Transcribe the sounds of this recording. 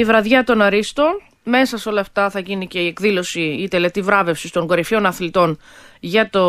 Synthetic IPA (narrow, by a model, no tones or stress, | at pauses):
ivɾɐðʝɐt̪o̞nɐɾist̪o̞n | me̞sɐso̞lɐːft̪ɐθɐʝinice̞iekðilo̞siit̪e̞le̞t̪ivɾɐve̞fsist̪o̞ŋɡo̞ɾifio̞nɐθlit̪o̞n | ʝɐt̪o̞